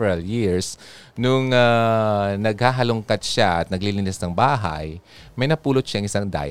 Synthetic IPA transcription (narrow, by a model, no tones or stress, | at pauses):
ɹɐljiɹs | nʊŋa | nɐɡhaːɦɐlʊŋkat̪̚ʃaʔɐt̪̚nɐɡlilɪnɪsnɐŋbaːɦa̰j | mɐjnɐpuːlot̪̚ʃaʔɐŋɪsaŋd̪a̰ːj